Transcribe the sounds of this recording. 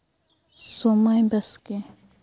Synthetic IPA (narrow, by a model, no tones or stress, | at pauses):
somajbɐske